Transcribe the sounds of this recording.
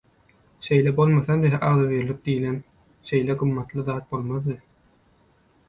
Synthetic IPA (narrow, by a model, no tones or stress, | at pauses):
ʃe̞jlebo̞lˠmɑθɑnd̪eɦʔɑɣðɑβiɾlyk̚d̪ijlʲen | ʃe̞jleɡumːɑt̪lˠɯðɑːt̪̚bo̞lˠmɑðd̪ɯ